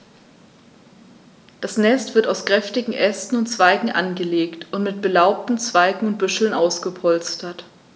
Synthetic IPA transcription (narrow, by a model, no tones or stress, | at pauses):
d̥asnɛstv̥ɪɐtaʊskʁ̥ɛftɪɡŋ̩ʔɛstn̩ʊntt͡sv̥aɪɡŋ̩ʔa̰nɡəleːktʊntmɪt̚b̥əlaʊp̚tn̩t͡sv̥aɪɡŋ̩ʊnt̚b̥ʏʃl̩nʔaʊsɡ̥əpʰɔlt͡stɐt